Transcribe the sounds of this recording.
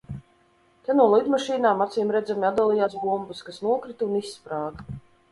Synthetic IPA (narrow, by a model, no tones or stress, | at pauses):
t̪ɛnuɔlˠid̪maʃiːnaːmat̪siːmɾɛd̪zamiad̪alˠijaːsbumbɨskasnuɔkɾit̪unisːpɾaːd̪